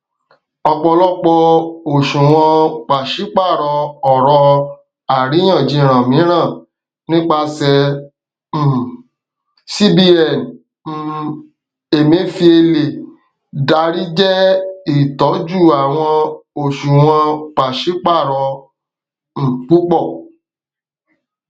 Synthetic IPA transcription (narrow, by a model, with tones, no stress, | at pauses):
ɔ˧k͡pɔ˧lɔ˦k͡pɔ˧o˨ʃũ˨w̃ɔ̃˧k͡pa˨ʃi˨˦k͡pa˦˨ɾɔ˧ɔ˨ɾɔ˧ | a˨ɾi˨˦j̃ã˦˨d͡ʒĩ˧˨ɾ̃ã˨mĩ˨˦ɾ̃ã˦˨ | nĩ˦k͡pa˧sɛ˧˦˨ | si˦bi˦ɛ˦˨n˦ | e˨mĩ˨˦fi˧˦e˧le˨ | da˨˧ɾi˦d͡ʒɛ˦i˦˨tɔ˨˦d͡ʒu˦˨a˨w̃ɔ̃˧o˨ʃũ˨w̃ɔ̃˧k͡pa˨ʃi˨˦k͡pa˦˨ɾɔ˧ | m̩˨k͡pu˦k͡pɔ˦˨